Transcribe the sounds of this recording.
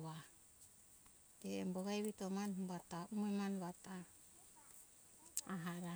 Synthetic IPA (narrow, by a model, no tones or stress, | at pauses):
wa | d͡ʒeemboɡajβitomanbataumemanβata | aɦaɾa